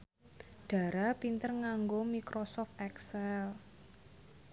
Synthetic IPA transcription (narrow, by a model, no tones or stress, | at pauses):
ɖ̥a̤ɾapint̪ərŋaŋɡomikɾʔosɔft̪ɛksɛl